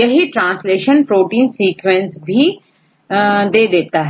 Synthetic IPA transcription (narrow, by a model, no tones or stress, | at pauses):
ɐɦiʈɾãːnsleːʃənpɾoːʈiːnsiːkʋɛ̃nsbʱi | d̪eːd̪eːt̪aɦ